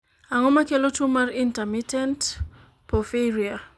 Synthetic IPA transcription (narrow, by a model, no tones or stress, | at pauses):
aŋɔmakelotumaɾintɛmitʰɛnt | pʰɔfeɾia